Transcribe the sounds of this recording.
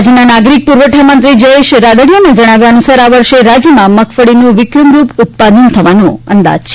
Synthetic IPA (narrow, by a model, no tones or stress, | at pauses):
d͡ʒinanaɡɾik̚puɾʋəʈʰamənt̪ɾid͡ʒəeʃɾad̪əɽijoned͡ʒəɽ̃aʋjaənusaɾaʋəɾʃeɾad͡ʒimãməkʰfəɽinũʋɪkɾəmɾupʊt̪̚pad̪ənt̪ʰəʋanõə̰nd̪a̰d͡ʒt͡ʃʰe